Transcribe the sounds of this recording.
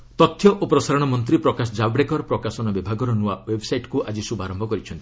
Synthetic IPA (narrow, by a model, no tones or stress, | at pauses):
t̪ɔt̪ʰːjɔʔʔopɾɔsaɾɔɽ̃ɔmɔnt̪ɾipɾɔkasɔd͡ʒabɽekɔɾɔpɾɔkasɔnɔbibʱaɡɔɾɔnuawebʱɔsajʈkuʔad͡ʒisubʱaɾɔmbʱɔkɔɾit͡ʃʰɔnt̪i̥